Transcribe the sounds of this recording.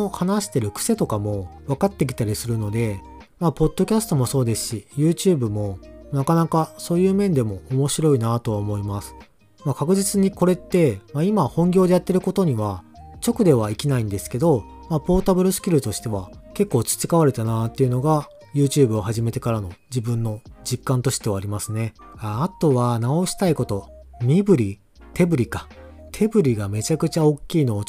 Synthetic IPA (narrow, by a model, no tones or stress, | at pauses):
ohanaɕi̥t̪e̞ɾɯ̟kɯ̟̥se̞t̪o̞kamo̞βakat̪ːe̞k̬ʲi̥t̪aɾʲisɨɾɯ̟no̞d̪e̞ | maːpo̞d̪̥ːo̞kʲasɨ̥t̪o̞mo̞so̞ːd̪e̞sɨ̥ɕijɯːt͡ɕɯːbɯ̟mo̞nakanakaso̞ːjɯ̟ːmẽ̞nd̪e̞mo̞omo̞ɕiɾo̞inat̪o̞βaomo̞imasɨ̥ | makakɯ̟ʑit͡sɨɲ̟iko̞ɾe̞t̪ːe̞maimahõ̞ŋɡʲo̞ːd̪e̞jat̪ːe̞ɾɯ̟ko̞t̪o̞ɲ̟iβ̞at͡ɕo̞kɯ̟d̪e̞βaikʲinaĩnd̪e̞sɨ̥ke̞d̪o̞ | mapo̞ːt̪abɯ̟ɾɯ̟sɨ̥kʲiɾɯ̟t̪o̞ɕi̥t̪e̞βake̞kːo̞ːt͡ɕɨ̥t͡ɕi̥kaβaɾe̞t̪anat̪ːe̞jɯ̟no̞ɡa | jɯ̟ːt͡ɕɨːbɯ̟o̞ɦaʑime̞t̪e̞kaɾano̞d͡ʑibɯ̟̃nːo̞d͡ʑikːãnt̪o̞ɕi̥t̪e̞βaːɾʲimasɨne̞aːt̪o̞βanao̞ɕi̥t̪aiko̞t̪o̞mʲibɯ̟ɾʲi | t̪ʰe̞bɯ̟ɾʲika | t̪ʰe̞bɯ̟ɾʲiɡame̞t͡ɕakɯ̟t͡ɕao̞kʲːiːno̞ː